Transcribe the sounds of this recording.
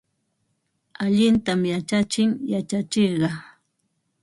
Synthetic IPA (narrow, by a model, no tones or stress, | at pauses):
aʎɪnt̪amjat͡ʃat͡ʃɪŋjat͡ʃat͡ʃeɾɢɑ